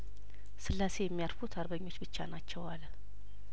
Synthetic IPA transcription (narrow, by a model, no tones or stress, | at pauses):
sɨlːase̞jɛmːijaɾfut̪ʰaɾbəɲːo̞t͡ʃːbɨt͡ʃːa̰nat͡ʃːɛwal